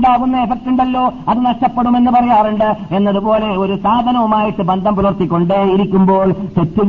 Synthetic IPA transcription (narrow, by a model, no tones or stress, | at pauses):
ɳɖaːɣunːɐefek̚ʈuɳɖɐlːo̞ːɐðɨnɐʂʈɐpːeɽume̞nːɨpɐrɐjaːruɳɖɨenːɐðupo̞ːle̞o̞ɾusaːd̪ʱɐnɐʋumaːjiʈːɨbɐnd̪ʱɐmpulɐrt̪ikʲːo̞ɳɖeiɾikʲːumbo̞ːɭt̪etːu